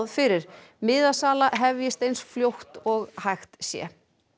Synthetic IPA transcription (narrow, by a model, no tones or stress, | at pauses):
ðfɪɾɪɾ̥ | mɪðasaːlaɦɛvjɛst̪ejnsfljowht̪ɔɣhajxt̪sjɛ̰